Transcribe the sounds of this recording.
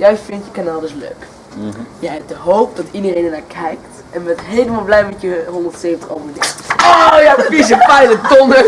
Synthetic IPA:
jɛjfɪntjəkanaːlˠdəslø̰ːk | jɛjɛp̚dəɦoːp̚dɔtidəreːnənaːkʰɛjkt | ʔɛnbɛnətɦeːləmalˠblɛjmɛtjəɦɔndərtseːvəntə̥χoːvədɛojafisəpɛjlətɔnə

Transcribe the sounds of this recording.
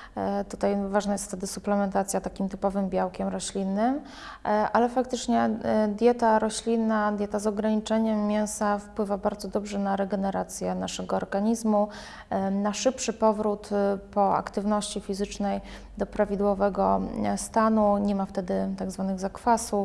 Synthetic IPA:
t̪ut̪ajvaʐnajɛst̪ft̪ɛd̪ɘsuplɛmɛnt̪at̪sʲjat̪akʲimt̪ɘpɔvɘmbʲjawkʲɛmɾɔɕlʲinːɘm | ʔalɛfak̚t̪ɘt͡ʂɲɛd̪ʲjɛt̪aɾɔɕlʲinːad̪ʲjɛt̪azɔɡɾaɲit͡ʂɛɲɛmːʲjɛ̃w̃safpwɘvabaɾd̪zɔd̪ɔbʐɛnaɾɛɡɛnɛɾat̪sʲjɛnaʂɛɡɔɔɾɡaɲizmu | naʂɘpʂɘpɔvɾut̪pɔa̰kt̪ɘvnɔɕt͡ɕifʲizɘt͡ʂnɛj | d̪ɔpɾavʲid̪wɔvɛɡɔst̪anuɲɛmaft̪ɛd̪ɘt̪aɡzvanɘɣzakfasuf

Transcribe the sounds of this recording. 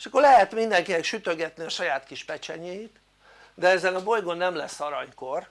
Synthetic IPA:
eʃɒkːoɾlɛɦɛt̪mind̪ɛŋkinɛkʃyt̪ø̞ɡɛt̪niɒʃɒjaːt̪kiʃpɛt͡ʃɛɲejit̪ | d̪ɛɛzɛnɒbo̞jɡo̞nːɛmlɛsːɒɾɒɲko̞r

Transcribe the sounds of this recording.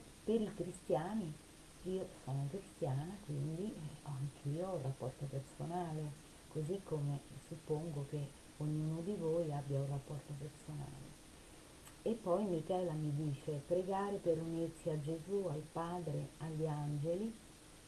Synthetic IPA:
peɾikɾist̪jaːni | iːosɔːnokɾist̪jaːnakwind̪iɔaŋk̟ʰiːourːapːɔ̰rt̪opersonaːle | kozikʰːomesupːoŋɡok̟e | oɲːuːnod̪ivojabːjaurapːɔrt̪opersona̰ːlḛ | epːɔjmikɛːlamid̪iːt͡ʃepɾeɡaːɾepeɾunirsiad͡ʒezualpaːd̪ɾeaʎːiand͡ʒeli

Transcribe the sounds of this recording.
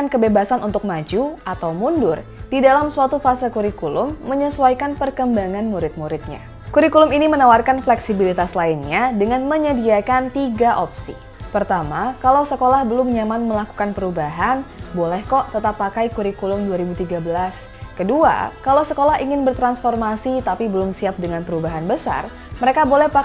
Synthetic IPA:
ankəbebasanunt̪ʊk̚mad͡ʒuat̪awmundʊrdidalamsuat̪ufasakuɾikulʊmːəɲəsuajkanpərkəmbaŋanmuɾɪt̪̚muɾɪt̪̚ɲa̰ | kuɾikulʊminimənawarkanflɛksibilit̪aslainɲadəŋanməɲədiakant̪iɡaʔopsḭ | pərt̪amakalawsəkolahbəlʊmɲamanməlaku̥kanpəɾubaɦanbolɛhkɔʔt̪ət̪apːakajkuɾikulʊmduaɾibut̪iɡabəlas | kədua̰kalawsəkolaɦiŋɪnbərt̪ɾansfɔrmasit̪apibəlʊmsiap̚dəŋanpəɾubaɦanbəsa̰r | məɾekabolɛhpa

